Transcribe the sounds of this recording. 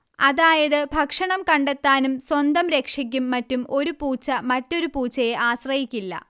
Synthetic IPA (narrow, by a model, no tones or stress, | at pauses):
ɐðaːjɐðɨbʱɐkʂɐɳɐmkɐɳɖet̪ːaːnumswɐnd̪ɐmɾe̞kʂɐk̬ʲːumːɐtːumo̞ɾupuːt͡ɕːɐmɐtːo̞ɾupuːt͡ɕːɐjeʔaːɕrɐjikʲːilːɐ̰